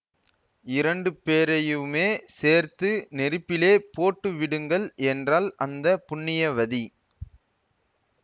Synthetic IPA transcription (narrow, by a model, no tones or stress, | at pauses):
ɪɾɐɳɖɯpeːɾɐjɯmeːseːɾt̪ɯnɛɾɯpːɪleːpoːʈːɯʋɪɽɯŋɡɐɭɛndraːlɐnd̪ɐpʊɳːɪjɐʋɐði